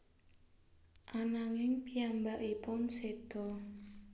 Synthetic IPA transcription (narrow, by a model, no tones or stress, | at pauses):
ʔanaŋɪŋpijambaʔipʊnsed̪̥ɔ